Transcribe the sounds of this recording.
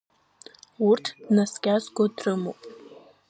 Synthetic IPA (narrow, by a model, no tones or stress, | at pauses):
urtʰdnasɡʲazɡʷodrɨmopʼ